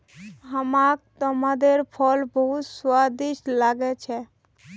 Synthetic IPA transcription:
ɦəmak̚t̪əmad̪eɾpʰɔlbəɦut̪swad̪iʃlaɡɛt͡ʃʰɛ

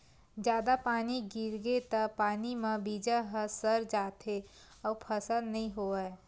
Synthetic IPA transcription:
d͡ʒjaːd̪apaːniɡiɾɡet̪əpaːnimãbiːd͡ʒaɦəsəɾd͡ʒaːt̪e | ɔːpʰəsəlnəɦĩɦoaɛ

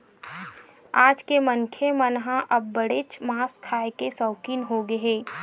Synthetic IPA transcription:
aːd͡ʒkeməŋkʰemənɦãʔɐbːɐɽet͡ʃmaːskʰaːekesɔːkiːnɦoɡɐɦeː

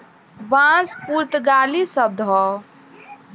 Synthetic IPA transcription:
bãspuɾt̪ɡalisəb̚d̪ʱɦɔ

